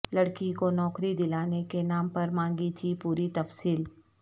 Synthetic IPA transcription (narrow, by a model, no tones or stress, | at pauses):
lɐɽkikonɔːkɾid̪ɪlaːnekenãːmpɐɾmãːŋɡit̪ʰipuːɾit̪ɐfsiːl